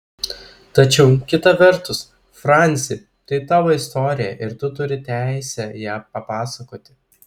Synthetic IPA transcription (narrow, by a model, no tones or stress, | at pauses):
t̪ɐt͡ʃʲɛʊkʲɪt̪ɐʋʲɛɾt̪ʊs | fɾɑnʲt̪sʲɪɪ | t̪ɐɪt̪ɑːʋoːɪst̪oːɾʲɪjɛʔɪɾt̪ʊt̪ʊɾʲɪt̪ʲæˑɪsʲɛjæːpɐpɑːsɐkoːt̪ʲɪ̥